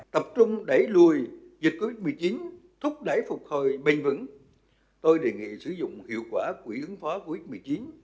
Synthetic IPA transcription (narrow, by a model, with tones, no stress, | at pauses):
t̪ə˨˩p̚t͡ɕʊ˧ŋ͡mɗə˧˩jlu˨˩əjzi˨˩ko˧vi˦˥t̚mɨ˨˩jt͡ɕi˨˦nt̪ʰʊ˦˥k͡p̚ɗa˧˩jfʊ˨˩k͡p̚ho˨˩jɓə̈˨˧˩ŋ̟vɨ̰˧˥ŋ | t̪o˧jɗe˨˩ŋḭ˧˨sɨ˧˩zʊ̰˧˨ŋ͡mhḭ˧˨əwkwaː˧˩kwi˧˩ʔɨ˨˦ŋfɔ˨˦ko˧vi˦˥t̚mɨ˨˩jt͡ɕi˨˦n